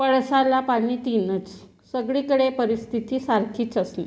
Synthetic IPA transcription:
pəɭsalapaɽ̃iːt̪inət͡s | səɡɭikəɽepəɾist̪ʰit̪iːsaɾkʰiːt͡səsnḛ

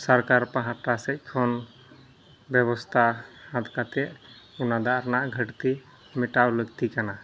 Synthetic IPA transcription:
səɾkaɾpãɦãʈasɛc̚ˀkʰɔn | bɛbɔst̪ʰahãt̪kat̪ɛʔ | unad̪aʔɾnaʔɡʱəʈt̪i | mɛʈawləɡ̚t̪ikana

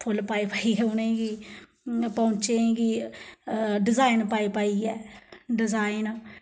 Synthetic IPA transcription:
pʰʊlpaːipaːiɛːʊneɡiː | põːt͡ʃeːɡi | ɖɪzaːinpaːipaːiɛːɖɪzaːɪn

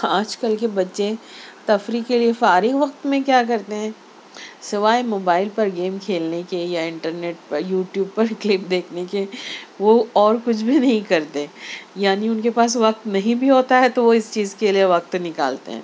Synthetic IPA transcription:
aːd͡ʒkɐlkebɐtːʃet̪ɐfɾikeliefaːɾɪʋɐq̚t̪mẽkjaːkɐɾt̪eɦɛ̃ː | sɪʋaːemoːbaːɪlpɐɾɡeːmkʰeːlnekejaɪ̃ɳʈəɾneːʈ̚pɐjuːʈjuːb̚pɐɾklɪp̚d̪eːkʰnekeʋoɔːɾkʊt͡ʃʰbʱinɐɦĩkɐɾt̪ejaːniʊnkepaːs̬ʋɐq̚t̪nɐɦĩbʱiɦoːt̪aɦɛt̪oʋoɪst͡ʃiːzkelieʋɐq̚t̪nɪka̰ːlt̪ḛɦɛ̰̃ː

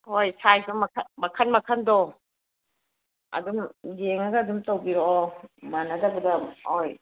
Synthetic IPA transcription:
hojsʰajpʰɐmɐkʰmɐkʰɐnmɐkʰɐndɔ | ɐ̰dumd͡ʒeŋɐɡɐːdumtɐwbiɾomanɐdɐbɐdɐoj

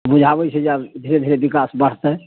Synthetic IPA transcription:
bud͡ʒʱabɛt͡ʃʰɛd͡ʒad̪ʱiɾed̪ʱiɾebikasbəɽ̤t̪ɛ

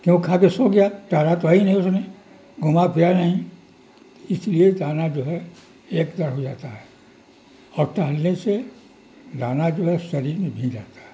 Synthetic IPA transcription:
kjõkkʰaːkesoːɡɪjaʈaːɾat̪oɦinɐɦĩʊsne | ɡʊmapʰijanɐɦĩ | ɪslied̪aːnad͡ʒoːɦɛ | eːkd̪ɐɾɦod͡ʒaːt̪aɦɛː | ɔːɾʈaːlnese | laːnad͡ʒoːɦɛʃɐɾiːɾmẽbʱĩːnd͡ʒaːt̪ḁɦɛ

